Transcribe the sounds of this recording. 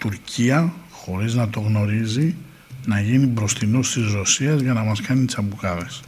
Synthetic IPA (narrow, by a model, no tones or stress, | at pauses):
t̪uɾcʰiɐ | xo̞ɾiznɐt̪o̞ɣno̞ɾizi | nɐʝinibɾo̞st̪ino̞st̪izɾo̞siɐzʝɐnɐmɐskɐnit̪i̥sɐpukɐðes